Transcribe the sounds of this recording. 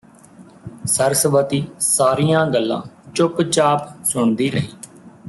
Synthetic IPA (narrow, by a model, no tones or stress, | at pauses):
səɾsʋət̪iːsaːɾiːjãːɡəlːã̰ːt͡ʃʊpt͡ʃaːpsʊɳd̪iːɾəɦiː